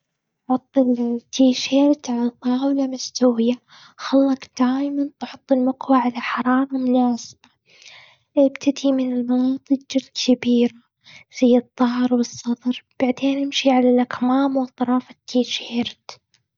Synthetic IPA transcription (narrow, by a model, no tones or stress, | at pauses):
ʕʊt̪ˤːɪlt̪ʰːiːʃeːɾt̪ʕalat̪ˤɑːwlamʊst̪awɪja | xalːɑqd̪̥aːjmant̪ħʊt̪ˤːɪlmʊqwaʕalaħɑɾˤɑːɾˤɑmʊnaːsɪ̥ba | ʔɪbt̪ʰad̪imɪnɪlmɑnɑːt̪ˤɨkd͡ʒalkʰabiːɾa | z̥ajːɨt̪ˤːɑhɾˤwɨsˤːɑd̪ˤɾˤb̥aʕd̪eːnʔɪmʃiʕalalʔakmaːmwɨt̪ˤːɑɾˤɑːfat̪ʰːiːʃeːɾt̪